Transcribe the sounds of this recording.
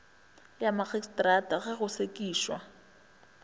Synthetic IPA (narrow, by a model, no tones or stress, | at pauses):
jamaɣɛstʼrataɣɛɣʊsekʼiːʃwa